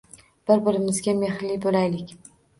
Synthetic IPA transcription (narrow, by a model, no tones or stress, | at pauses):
b̥ɪɾbɪɾɪmɪzɡʲame̞hlɪbolajlɪkʲ